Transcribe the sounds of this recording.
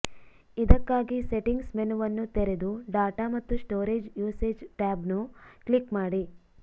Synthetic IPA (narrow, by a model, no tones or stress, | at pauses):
id̪ɐkːaːɡiseʈiŋɡsmenuʋɐnːut̪eɾed̪uɖaːʈamɐt̪ːusʈoːɾeːd͡ʒjuːseːd͡ʒʈaːbnuklikmaːɽi